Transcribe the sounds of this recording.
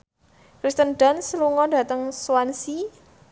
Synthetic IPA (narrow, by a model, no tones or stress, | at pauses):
kɾist̪ənɖansluŋɔda̤t̪əŋswansi